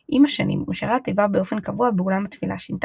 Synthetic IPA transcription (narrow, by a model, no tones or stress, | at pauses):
ʔimaʃanḭmuʃaʁat̪ivaʁbeo̞fe̞nkavuabeulamat̪fila̰ʃint̪